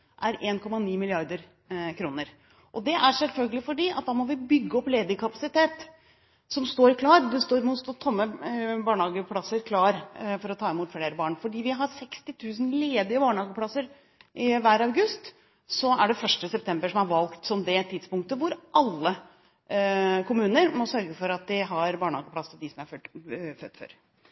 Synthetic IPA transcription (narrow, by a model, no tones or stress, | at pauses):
ʔæɾʔeːnkʰɔmɑniːmɪlɪɑɾd̪əɾ | kʰɾuːnəɾ | ʔɔd̪ɛʔæɾʂɛlfœlɡəlɪfɔɖiːʔɑ̰t̪̚d̪ɑːmɔʋɪbʏɡːəɔpːleːd̪əkʰɑpɑsɪt̪eːt̪ | sɔmst̪oːɾkʰlɑːɾd̪ɛst̪oːɾmʊt̪t̪ʰːɔmːəbɑːɳhɑːɡəpʰlɑsəɾkʰlɑːɾfɔɾɔt̪ʰɑːɪmuːt̪fleːɾəbɑːɳfɔɖiːʋɪɦɑɾsɛkst̪ɪt̪ʰʉːsn̩leːd̪ɪəbɑːɳəhɑːɡəpʰlɑsːəɾ | ʔɪʋæːɾɑʉɡʉst̪ | sɔæɖɛfœʂʈəsɛp̚t̪ʰɛmbəʂɔmhɑɾʋɑlkt̪sɔmd̪ɛt̪ʰiːd̪spʊŋkt̪əʋʊɾʔɑlːə | kʰʊmʉːnəɾmɔsœɾɡəfɔɾɑt̪̚d̪ɪɦɑɾbɑːɳəhɑːɡəpʰlɑsd̪ɪsɔmæɾfœfœt̪ːfø̰ɾ